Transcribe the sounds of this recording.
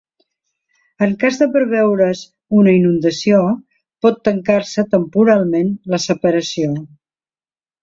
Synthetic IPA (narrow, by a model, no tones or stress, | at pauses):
əŋkazðəpəɾβɛwɾəz | unəinund̪əsio | pɔt̪ːəŋkaɾsət̪əmpuɾalˠmenləsəpəɾəsio